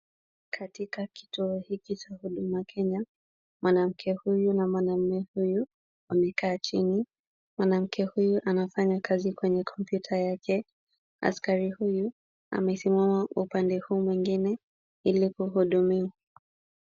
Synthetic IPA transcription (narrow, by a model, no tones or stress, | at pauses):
kʰatikaki̥tuɔhikit͡ʃahuɗumakʰɛɲa | mwanam̩kʰɛhujunamwanam̩mɛhuju | amɛkaːt͡ʃini | mwanam̩kʰɛhujuʔanafaɲakʰazikwɛɲɛkʰɔmpjutʰajakʰɛ | a̰skaɾihuju | a̰mɛsimamaupandɛhuːmwiŋɡinɛ | ilikuhuɗumiwa